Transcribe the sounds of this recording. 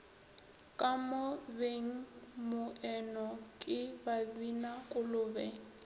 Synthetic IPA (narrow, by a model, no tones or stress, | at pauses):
kʼamʊbeŋ̩mʊʔɛnɔkʼɪbabinakʼʊlʊːbɛŋ